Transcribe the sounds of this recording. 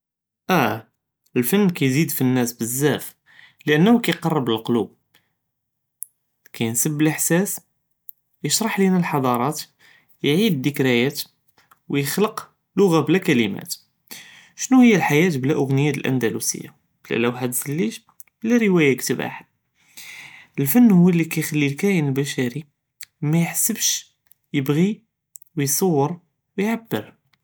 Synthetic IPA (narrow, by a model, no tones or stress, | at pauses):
ʔæ | əlfənːkæjzid̪finːæsbəzːæf | ləʔənːhukæjqɑrˤːəbləlqolub̚ | kæjənsəbːələħsæs | jəʃɾˤɑħlinælħɑd̪ˤɑɾˤɑt̪ | jʕid̪ːəkɾæjæt̪ | wjəxləq | lʊɣablækæləmæ̰t̪ | ʃnuhəjːælħajæt̪blæʔʊɣnəjːaəlʔæ̰nd̪ælusə̰jːa̰ | blæ̰læwħæd̪səlːiʃ | b̥læɾəwæjækt̪əba̰ħ | əlfənːhʊwːælːikæjxælːilkæjənəlbæʃæɾi | mæjəħsəbʃ | jəbɣi | wjsˤɑwːəɾ | wjʕabːəɾ